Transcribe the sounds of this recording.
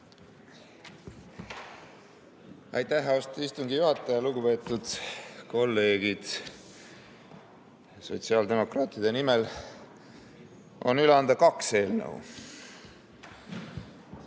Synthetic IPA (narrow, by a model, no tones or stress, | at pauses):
ɑ̰jt̪ːæɦɑost̪oist̪uŋɡijuɦɑt̪ːˑɑjɑluɡupe̞ːt̪ːˑud̪̥ko̞lːe̞ːɡ̥id̪̥ | so̞̰t̪siɑːld̪e̞mo̞krɑːt̪ˑid̪̥e̞nimel | o̞̰nyleɑnd̪̥ɑkɑkse̞ːlnə̰ṵ